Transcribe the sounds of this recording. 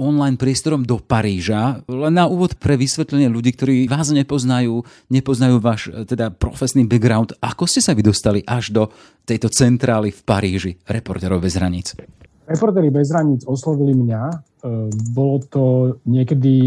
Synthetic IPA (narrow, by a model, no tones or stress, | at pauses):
ɔnlajnpɾɪɛst̪ɔɾɔmd̪ɔpaɾiːʒalɛnːauːʋɔt̪pɾɛʋisʋɛt̪lɛɲɪɛʎuɟiːk̚t̪ɔɾiːʋaːzɲɛpɔznajuː | ɲɛpɔznajuːʋaːʃt̪ɛd̪apɾɔfɛsniːbɛɡɾaʊnt̪akɔscɛsaʋid̪ɔst̪aliʔaʒd̪ɔ | t̪ɛjt̪ɔt͡sɛnt̪ɾaːlifpaɾiːʒiɾɛpɔɾt̪ɛːɾɔʊbɛzɦɾaɲḭːt͡s | ɾɛpɔɾt̪ɛːɾibɛzɦɾaɲiːd͡zɔslɔʋilimɲa | bɔlɔt̪ɔɲɪɛkɛd̪i